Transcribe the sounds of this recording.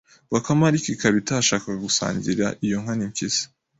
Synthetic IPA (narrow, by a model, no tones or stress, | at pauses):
βakamaɾikikaβitaʃaːkaɡusa̰ːɲɟiɾaʔijo̞ŋ̥haniɲkisi̥